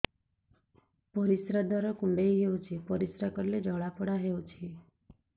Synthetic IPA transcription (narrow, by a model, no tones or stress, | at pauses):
pɔɾisɾad̪aɾɔkumɖejɦeut͡ʃʰipɔɾisɾakəɾled͡ʒʱəɭapʰəɽaɦeut͡ʃʰi